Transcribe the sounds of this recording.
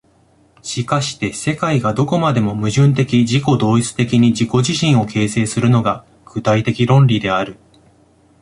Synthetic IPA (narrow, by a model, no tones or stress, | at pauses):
ɕikaɕi̥t̪e̞se̞kaiɡad̪o̞ko̞mad̪e̞mo̞mɯ̟ʑɨ̃nt̪e̞kʲiʑiko̞d̪o̞ːit͡sɨ̥t̪e̞kʲiɲ̟id͡ʑiko̞ʑiɕĩɰ̃o̞kʰe̞ːse̞ːsɨɾɯ̟no̞ɡa | ɡ̥ɯ̟t̪ait̪e̞kʲiɾõ̞nɾʲid̪e̞aɾɯ̟